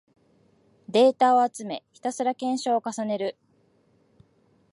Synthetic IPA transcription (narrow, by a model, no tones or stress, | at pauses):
d̪e̞ːt̪ao̞at͡sɨme̞̰çi̥t̪asɨɾakẽ̞ɰ̃ɕo̞ːkasane̞ɾɯ̟